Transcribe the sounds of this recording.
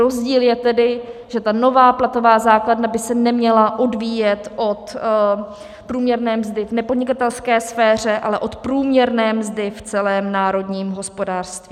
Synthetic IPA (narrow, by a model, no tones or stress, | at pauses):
ozɟiːljɛt̪ɛdɪʒ̥ɛt̪ano̞vaːplat̪o̞vaːzaːkladnabɪsɛnɛmɲɛlaʔo̞dviːjɛt̪ʔo̞t̪ | pɾuːmɲɛɾnɛːmzdɪvnɛpodɲɪkat̪ɛlskɛːsfɛːr̝ɛʔa̰lɛʔo̞t̪pɾuːmɲɛɾnɛːmzdɪft͡sɛlɛːmnaːɾo̞dɲiːmɦo̞spo̞daːr̥st̪vi